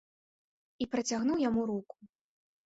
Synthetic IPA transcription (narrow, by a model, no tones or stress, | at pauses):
ipɾɐt͡sʲaɣnuwjamuɾuku̥